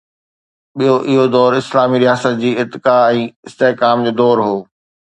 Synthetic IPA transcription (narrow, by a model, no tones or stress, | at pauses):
ɓijoʔɪɦod̪ɔːɾɪslaːmiɾɪjaːsət̪̚d͡ʑiːɪt̪ːɪkaɛ̃ːɪst̪eɦkaːmd͡ʑoːd̪ɔːɾɦoː